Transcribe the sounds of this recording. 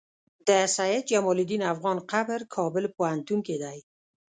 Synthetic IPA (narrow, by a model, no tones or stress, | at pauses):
d̪̥əsajed͡ʒamɔlid̪inafɣɔnqabɾkʰɔbɪlpohant̪uŋked̪aj